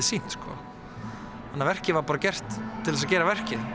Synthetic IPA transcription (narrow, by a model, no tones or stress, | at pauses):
ɪsin̥t̪skɔ̰ | hanːavɛr̥cɪvaɾpaːɾacɛr̥t̪ʰːɪlɛsacɛːɾavɛr̥cɪ